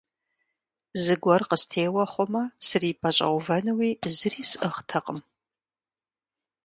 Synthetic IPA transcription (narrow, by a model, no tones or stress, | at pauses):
zɨɡʷɔrqəstʰeːwɐχʷɔmɐsɨriːpʰɐɕʼɐ̰wvɐnɨwiːzɨriːsʔɨχtʰɐqʼəm